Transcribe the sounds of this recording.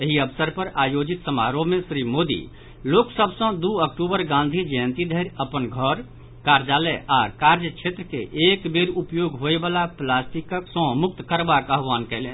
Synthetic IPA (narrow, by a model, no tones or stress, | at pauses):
eɦiəbsəɾpəɾajod͡ʒit̪səmaɾomesɾimod̪ḭ | loksəbʱsə̃d̪uək̚ʈubəɾɡãnd̪ʱid͡ʒəə̃nt̪id̪ʱəɪɾəpənɡʱəɾ | kaɾd͡ʒaləʔakaɾd͡ʒət͡ʃʰet̪ɾəkḛʔekbeɾupjoɡɦoebalaplasʈikəksə̃muk̚t̪kəɾbakəɦʋankɛɪlen